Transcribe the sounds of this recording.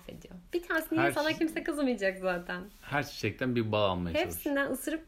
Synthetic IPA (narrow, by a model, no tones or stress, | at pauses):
sḛd̪ijob̥it̪ʰaːnesinijɛfalˠacʰimsɛkɯzmɯjd͡ʒakzaːt̪ʰænhæɾʃʃɛc̚t̪ʰænbiɾbaːanmajhep̪sind̪ænɯsɯɾɯp̚